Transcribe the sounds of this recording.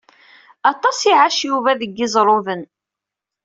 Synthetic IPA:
ɑt̪ˤːɑsiʕaʃjuvæðəɡːɪzˤɾˤoðən

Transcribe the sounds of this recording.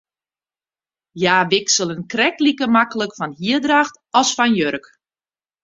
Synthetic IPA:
jaːʋɪksəlˠənkrɛklikəmakələkfɔnhiədraxt | ɔsfɔnjørək

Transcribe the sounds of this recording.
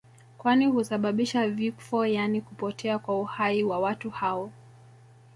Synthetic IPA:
kwanihusaɓaɓiʃavifɔjanikupɔtʰɛakwauhaiwawatuhaɔ

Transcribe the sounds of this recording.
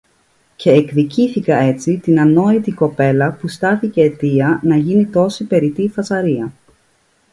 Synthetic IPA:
ce̞ːkðiciθikɐe̞t͡sit̪inɐno̞it̪iko̞pe̞lɐpust̪ɐθice̞ːt̪iɐnɐʝinit̪o̞sipe̞ɾit̪ifɐsɐɾiɐ

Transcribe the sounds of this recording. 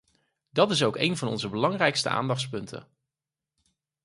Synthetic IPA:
dɑtɪs̬owkejnvɑnɔ̰nzəbəlɑŋrɛjkstə̰ʔa̰ːndɑχtspɵntʰə̰n

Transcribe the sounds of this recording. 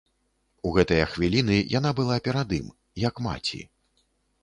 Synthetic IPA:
uɣɛt̪ɐjɐxvʲilʲinɨjʔan̪abɨlˠapʲɛɾad̪ɨm | jɐkma̰t͡sʲḭ

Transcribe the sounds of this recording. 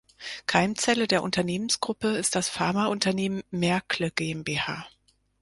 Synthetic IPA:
kʰaɪmt͡sɛlədeːɐʔʊ̰ntɐneːmənsɡ̥ʁʊpəɪst̚d̥asfaɐmaʔʊntɐneːmənːɛɐkləɡ̥eːɛmbeːhaː

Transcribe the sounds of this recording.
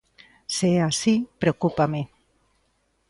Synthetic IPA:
seasipɾeokupame

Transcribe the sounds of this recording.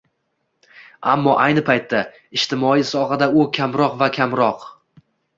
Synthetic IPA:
amːɒʔajnɪpʰajt̪ʰːa | ɪʃt̪ʰɪmɒisɒɦad̪aʊkʲʰamɾɒqvakʲʰamɾɒq

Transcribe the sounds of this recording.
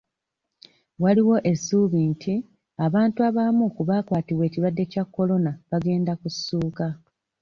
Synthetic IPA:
waliwo̞ʔe̞sːuβintʰi | aβaːntuaβamukuβaːkwaːtiβwe̞ːciβadːe̞cakːo̞lo̞naβaɡe̞ːndakusːuːka

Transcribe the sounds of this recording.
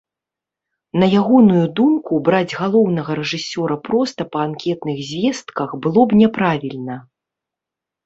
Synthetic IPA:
nɐjaɣɔnujud̪umkubɾad͡zʲɣalˠɔwn̪ɐɣɐɾɛʐɨsʲɔɾɐpɾɔst̪ɐpɐankʲɛt̪nɨɣzʲvʲɛst̪kɐxbɨlˠɔbnʲɛpɾavʲilʲnɐ

